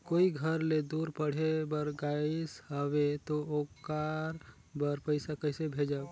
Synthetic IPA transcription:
koːiɡʱəɾled̪uɾpəɽ̤ebəɾɡaishəʋet̪ookaɾ | bəɾpəɪsakəɪsebʱed͡ʒa

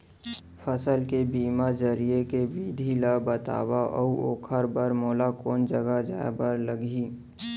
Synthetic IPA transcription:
pʰəsəlkebiːmazəɾiekewid̪ʱilabət̪a̰ːwaʔɔ̰uoːkʰəɾbəɾmoːlakɔːnd͡ʒəɡad͡ʒa̰ːbəɾləɡi

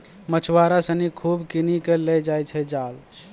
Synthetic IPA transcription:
mət͡ʃʰwaɾasənikʰubkinikelɛd͡ʒajt͡ʃʰɛd͡ʒaːl

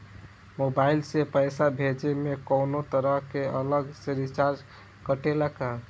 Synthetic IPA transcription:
mobailsepəjsabʱed͡ʒemekəwnot̪əɾəɦkeələɡseɾit͡ʃaɾd͡ʒ | kəʈelaka

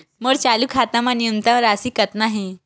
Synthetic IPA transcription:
məɽt͡ɕalukʰat̪amanijənt̪ãʋɾasiːkət̪naɦẽ

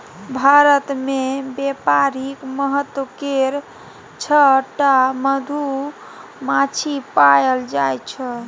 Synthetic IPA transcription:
bʱaɾət̪mebepaɾikməɦət̪ːwəkeɾ | t͡ʃʰəʈaməd̪ʱu | mat͡ʃʰipajəld͡ʒajt͡ʃʰə

